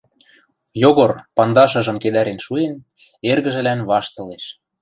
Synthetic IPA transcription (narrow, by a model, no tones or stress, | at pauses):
joɣorpɑnd̪ɑʃɤ̆ʒɤ̆mked̪æɾenʃuen | erɣə̆ʒɘ̆lænβɑʃt̪ɤ̆leʃ